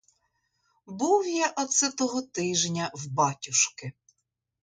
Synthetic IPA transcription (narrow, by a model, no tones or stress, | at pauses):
buwjɛʔɔt̪sɪt̪ɔɦɔt̪ɪʒnʲɐwbɑtʲʊʃkɪ